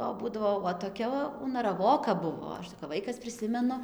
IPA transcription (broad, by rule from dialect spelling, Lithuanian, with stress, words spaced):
oː ˈbuːdɐʋoː oː toːˈkʲɛ ʊnɐrɐˈʋoːkɐ ˈbʊʋoː ˈɐʃ tɐɪ kɐp ˈʋɐɪkɐs pʲrʲɪˈsʲɪmʲɛnʊ